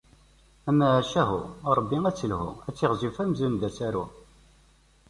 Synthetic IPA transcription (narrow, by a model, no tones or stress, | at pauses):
æmæʕæʃæɦṵɾˤəbːiŋæt͡sːəlhṵæt͡sːɪʁzifæmzund̪æsæɾṵ